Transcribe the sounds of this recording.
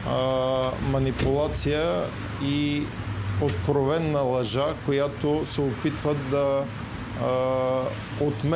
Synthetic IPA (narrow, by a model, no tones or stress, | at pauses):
mɐnipʊlˠat̪sijə | i | ot̪kɾovɛnːɐlˠɐʒakojat̪osɛopit̪vəd̪ɐ | ot̪mɛ